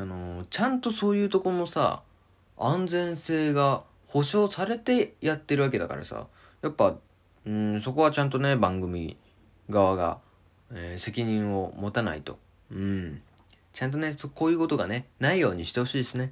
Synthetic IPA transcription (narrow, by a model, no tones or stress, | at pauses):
ano̞t͡ɕãnt̪o̞so̞ːjɯ̟ːt̪o̞koɾmo̞sa̰ | ãnd͡zẽ̞ɰ̃se̞ːɡa | ho̞ɕo̞ːsaɾe̞t̪e̞jat̪ːeɾɯβak̬e̞d̪aka̰ɾa̰sa̰ | japːa | ɯ̃so̞ko̞β̞at͡ɕãnt̪̬o̞ne̞bãŋɡɯ̟mʲi | ɡaβaɡa̰ | ese̞kʲiɲ̟ĩɰ̃o̞mo̞t̪ana̰it̪o̞̰ | ɯ̟̃ | t͡ɕãnt̪̬o̞ne̞sokoːjɯ̟ːko̞t̪oɡane̞naijo̞ːɲ̟iɕi̥t̪e̞ho̞ɕiːd̪esɨne̞